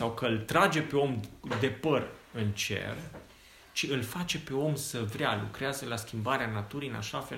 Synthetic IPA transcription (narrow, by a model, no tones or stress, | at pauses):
sawkəɨlt̪ɾad͡ʒe̞pe̞o̞md̪e̞pərɨnt͡ʃe̞̰r | t͡ʃiɨlfat͡ʃe̞pe̞o̞msəvɾealukɾeazəlaskʲimbaɾeanat̪uɾijɨna̰ʃafe̞